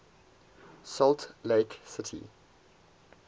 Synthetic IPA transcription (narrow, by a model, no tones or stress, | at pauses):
sɔltleɪksɪtʰḭ